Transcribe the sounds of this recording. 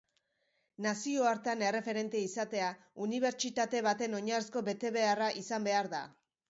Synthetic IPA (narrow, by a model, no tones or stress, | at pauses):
nasio̞aɾt̪ane̞re̞fe̞ɾe̞nt̪eisat̪e̞a | uniβ̞e̞ɾt͡ʃit̪at̪e̞β̞at̪e̞no̞ɲaɾesko̞βe̞t̪e̞βe̞araʔisambe̞aɾða̰